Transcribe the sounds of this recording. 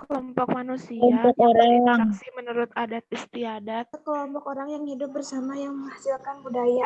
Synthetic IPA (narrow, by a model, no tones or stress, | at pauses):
kəlɔmpɔk̚manusilɔamɔkoɾaŋasimənuɾʊt̪adat̪̚ist̪iadat̪̚əkəlɔmpɔkoɾaŋjaŋhidʊp̚bərsamajaŋməŋahsuakanbudaja